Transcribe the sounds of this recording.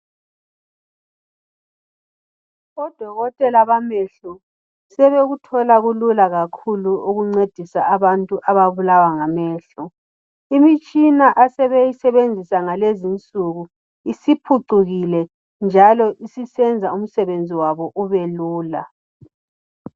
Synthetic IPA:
ɔd̥ʱɔɣɔtʼɛlaβamɛɬɔ | sɛβeɣutʰɔlaɣululaɣakʰuluuɣuŋ͡ǀed̥ʱisaːβantʼuʔaβaβulawaŋamɛːɬɔ | imit͡ʃʼinaʔasɛβejisɛβend͡zʱisaŋalezint͡sʼuɣu | isipʰuǀuɣilɛ | nd͡ʒʱalɔʔisisɛnd͡zʱaum̩sɛβend͡zʱiwaβɔʔuβeluːla̰

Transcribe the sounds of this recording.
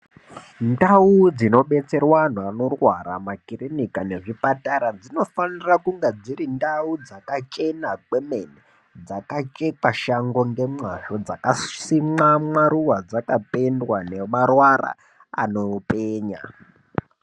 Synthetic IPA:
ndaud͡zino̞ɓe̞t͡se̞rwan̤uano̞rwaɾamakirinikane̞ʐipataɾad͡zino̞fanirakuŋɡed͡zirindaud͡zakat͡ʃe̞nakwemene | d͡zakat͡ʃe̞kaʃaŋɡo̞ŋɡe̞mwaʃo̞d͡zakasimamwaɾuʋad͡zakape̞ndwane̞marwara̰ | a̰no̞peːɲa̰

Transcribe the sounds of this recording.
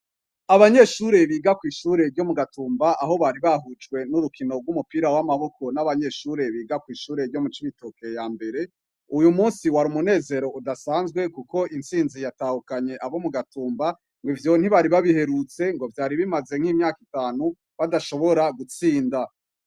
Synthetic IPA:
aβaɲe̞ʃuɾe̞βiːɡakwiːʃuːɾe̞ɾɟo̞muɡatuːmbaʔaɦo̞βaɾiβaɦud͡ʒɡwe̞nuɾukino̞ɡwumupiːɾawamaβo̞kʰo̞naβaɲe̞ʃuːɾe̞βiːɡakwiːʃuːɾe̞ɾɟo̞mut͡ʃiβitokejaːmbe̞ɾe̞ | ujumuːnsiwaɾumune̞ːze̞ɾo̞ʔudasaːnzɡwe̞kuko̞ʔint͡siːnzijataːhukaɲe̞ʔaβo̞muɡatuːmba | ŋɡwivjo̞n̥hiβaɾiβaβihe̞ɾut͡se̞ŋɡo̞vjaːɾiβimaze̞ŋ̥hiːmɲaːkitaːnu | βadaʃo̞βo̞ɾaɡut͡siːnda

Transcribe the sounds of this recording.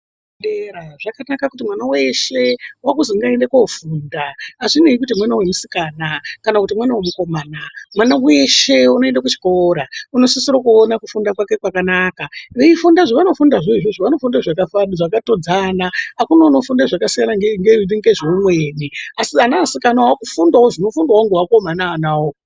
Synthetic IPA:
eɾaʐ̥akanakakutimwanaweʃe̞wakuziŋɡaendekofuːndaaʐineik̬utimwanawe̞musikaːnakanakutimwanawemuko̞maːnamwanawe̞ʃeuno̞e̞ndak̬ut͡ʃi̥ko̞ɾauno̞sisiɾokuonakufundakwake̞kwakanakaʋeifundaʐiʋano̞fundaʐeʐeʐoʋano̞fundaʐakafaniʐakato̞d͡zaːnaakunano̞fundaʐakasijanaŋɡeŋɡeiniŋɡeʐoumweːniasianasikanawakufundawoʐino̞fundawoŋɡewako̞manaːnawo

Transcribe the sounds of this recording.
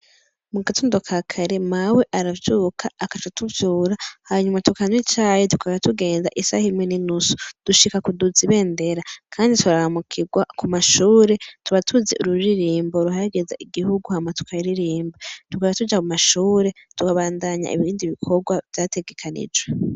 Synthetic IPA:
muɡatʰoːndokʰakʰaɾe̞mawe̞ʔaɾavjuːkʰaːkat͡ʃotʰuvjuːɾahaɲumatukaɲwit͡ʃaːjetukaβaatuɡe̞ːnda̰ʔisa̰himweninusu̥d̥uʃikakuduziβe̞ːnde̞ɾakʰaːndituɾahamukʰiɡwakumaʃuːɾe̞tuβatʰuzeʔṵɾuɾiɾiːmboɾuɦaɾaɡe̞za̰ʔiɡihuɡuhamatu̥kʰajɾiɾiːmbatukaaatud͡ʒakumaʃuːɾe̞tukaβaːndaɲa̰ḭβiːndiβikʰo̞ɡwav̥jaːte̞ɡe̞kʰanḭd͡ʒwe

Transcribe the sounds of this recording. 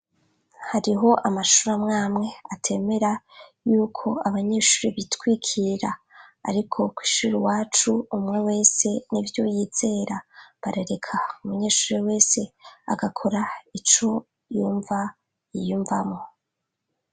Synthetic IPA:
haɾiɦo̞ʔamaʃuɾamŋaːmŋe̞atʰe̞me̞ɾajuːkʰo̞aβaɲe̞ːʃuːɾeβitwiːkʰiɾa | a̰ɾikʰo̞kwi̥ʃuɾiwaːt͡ʃuumŋewe̞ːse̞nivjo̞jiːz̥e̞ɾaβaɾeɾe̞kʰaumuɲe̞ːʃuːɾewe̞ːse̞a̰ɡakʰo̞ɾait͡ʃo̞ | juːɱva | ijuːɱvamŋo̞

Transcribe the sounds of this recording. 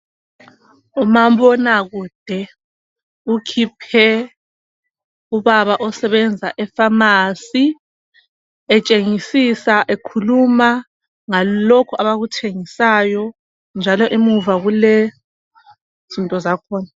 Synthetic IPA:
umaβɔnaɣuːd̥ʱɛ | ukʰipʰɛ | uβaβaʔɔsɛβɛnd͡zʱaʔɛfamasi | ɛt͡ʃʼeŋisisaʔekʰuluma | ŋalokʰuʔaβaɣutʰeŋisaːjɔ | nd͡ʒʱalɔʔimuvaɣulɛ | z̥intʼɔzakʰɔːna

